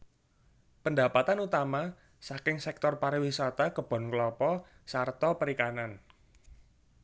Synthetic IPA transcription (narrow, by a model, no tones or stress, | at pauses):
pənda̤pat̪anut̪ama | sakɪŋsɛk̚t̪ɔrpaɾiwisat̪akəb̥ɔ̤nkəlɔpɔ | sart̪ɔpəɾikanan